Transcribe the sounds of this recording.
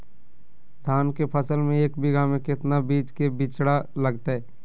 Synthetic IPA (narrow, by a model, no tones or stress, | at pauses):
d̪ʱaːnkepʰəsəlmẽeːkbʱiɡaːmẽkɪt̪nabiːd͡ʒkebɪt͡ʃɽalɐɡt̪aɦɛː